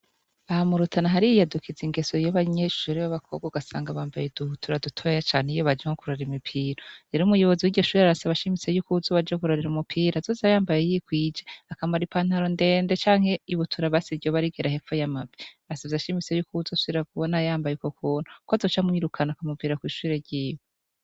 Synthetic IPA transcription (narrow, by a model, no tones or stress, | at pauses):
ahamuɾutʰanaɦaɾijijadukʰiziŋɡe̞sojoβaɲeʃuːɾiβaβakʰobɡuɡasa̰ːŋɡaβaːmbajeduhutʰuɾadutʰo̞jat͡ʃaːn̥heijoβad͡ʒeŋokuɾoeɾimipʰiːɾoeɾumujo̞βo̞ziwiɟoʃuɾiaɾasaβaʃimisejukuzoβad͡ʒokuɾoɾeɾumupʰiːɾazozajaːmbajejikwiːd͡ʒeakamaɾipʰan̥haɾo̞nde̞ːnde̞t͡ʃaːŋhe̞iβutʰuɾaβasivɟoβaɾiɡeɾahe̞fojamaviaasaβazaʃimisejukuzosueɾakuβonajaːmbajekokuːn̥ukozot͡ʃamŋiːɾukʰanakamuviːɾakwiːʃuɾe̞ɾɟiːjo